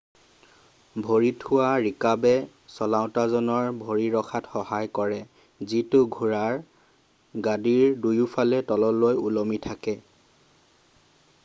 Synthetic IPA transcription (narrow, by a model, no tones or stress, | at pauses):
bʱoɹitʰʊwaɹikabɛ | sɔlaʊ̃tazɔnɔɹbʱoɹiɹɔxʰatxɔhajkɔɹɛ | zitʊɡʱuɹaɹ | ɡadiɹdujupʰalɛtɔlɔlojulomitʰakɛ